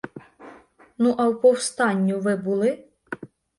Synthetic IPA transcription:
nuʔɑwpɔwst̪ɑnʲːuʋɪbulˠɪ

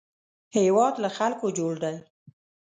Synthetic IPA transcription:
hewɑd̪laxalkod͡ʒoɽd̪aj

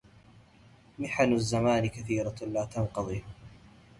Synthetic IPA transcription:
mɪħanazːamaːnɪkaθiːɾalaːt̪ɑnqɑðˤiː

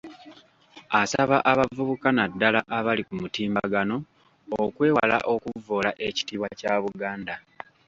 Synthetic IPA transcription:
asaβaʔaβavuβukanadːalaʔaβalikumutiːmbaɡano̞ | okwe̞ːwala̰ʔo̞kuvoːlaʔe̞ci̥tiːβwacaβuɡaːnda

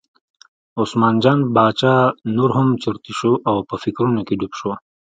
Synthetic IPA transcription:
usmɑːnd͡ʒɑːnbɑːt͡ʃɑːnuɾɦʊmt͡ʃiɾt̪iʃoʔawpəfikɾunokeɖupʃo

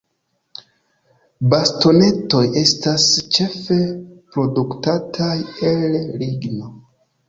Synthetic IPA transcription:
basto̞ne̞to̞je̞stast͡ʃe̞fe̞pɾo̞duktatʰajelɾiɡno̞

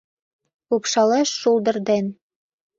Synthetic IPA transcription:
upʃɑlˠɑʃːulˠd̪ɤ̆ɾd̪æn

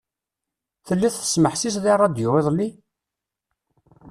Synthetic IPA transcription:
θəlːiθθə̥sməħsis̬ðirˤːɑd̪jʊwɪðˤlːi

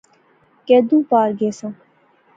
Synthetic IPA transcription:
ked̪ũːpaːɾɡeːsã

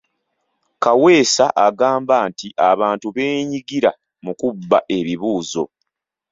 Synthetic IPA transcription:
kawe̞ːsaʔaɡaːmbaːntiʔaβaːntuβe̞ːɲiɡiɾa | mukubːaʔe̞βiβuːzo̞̰

